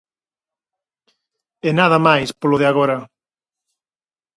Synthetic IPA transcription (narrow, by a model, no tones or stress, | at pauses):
enaðɐmajspoloðɪaɣoɾɐ